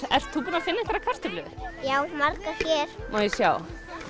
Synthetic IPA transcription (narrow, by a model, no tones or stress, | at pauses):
ɛ̰r̥t̪ʰːuːpɪnafɪnːɪŋt̪ʰaɾakʰar̥st̪ʏplʏðjaːwmaɾkaçjɛɾ̥mɔjɪsja̰ːw